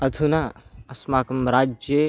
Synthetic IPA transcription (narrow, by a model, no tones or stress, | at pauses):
ɐd̪ʰʱunaɐsmaːkɐmɾaːd͡ʒje